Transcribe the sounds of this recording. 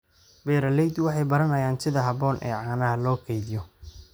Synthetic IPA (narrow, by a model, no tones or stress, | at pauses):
bɛːɾɐlɛjd̪wɑħɑjbɐɾɐnɐjaːnsɪðɐɦɐβɔːnʔɛ̰ːʕɑːnɐɦɐlɔːkʰɛjðɪjɔ